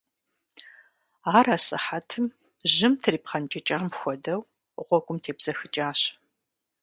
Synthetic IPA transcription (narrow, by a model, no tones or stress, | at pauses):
aːraːsʼɨ̰ħatʰɨm | ʑɪmtʰɨriːpqɐnt͡ʃʼɐt͡ʃʼaːmxʷɔdɐw | ʁʷɔɡʷʼʊmtʰeːbz̥ɐxɨt͡ʃʼaːɕ